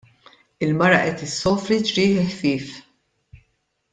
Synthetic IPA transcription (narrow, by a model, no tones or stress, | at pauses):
ɪlmɐɾɐʔɛt̪ɪsːɔːfɾid͡ʒɾiːħɪħfɪːf